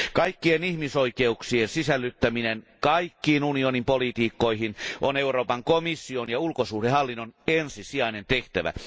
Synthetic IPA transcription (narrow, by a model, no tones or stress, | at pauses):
kɑikːienihmisoikeuksiensisælːyt̪ːæminenkɑikːiːnunionimpolit̪iːkːoihinʔoneuroːpɑŋkomisːionjɑulkosuːhdehɑlːinːonensisiɑinent̪eht̪æʋæ̰